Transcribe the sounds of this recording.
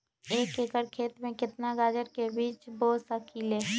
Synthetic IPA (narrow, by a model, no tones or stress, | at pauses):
eːkeːkəɾkʰeːt̪mẽkɪt̪naɡaːd͡ʒəɾkebiːt͡ʃbɔːt̪səkʰiːlɛː